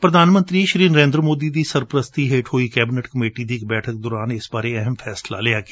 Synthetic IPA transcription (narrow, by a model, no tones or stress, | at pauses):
pɾəd̪ʱaːnmə̃nt̪ɾiːʃɾiːnəɾẽːnd̪ɾmoːd̪iːd̪iːsəɾpɾəst̪iːɦeːʈɦoːiːkɛːbɪnəʈkəmeːʈiːd̪iːɪk̚bɛːʈʰək̚d̪oːɾaːnɪsbaːɾeːɛɦəmpʰɛːsla̰ːleaːɡeː